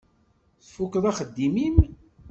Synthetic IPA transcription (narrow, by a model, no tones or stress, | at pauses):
θfukːəðˤɑχəd̪ːimin